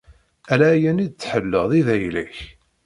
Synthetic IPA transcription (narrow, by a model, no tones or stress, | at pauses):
ælæːjænid̪̚t͡sːħəlːəʁðˤiðæjlæç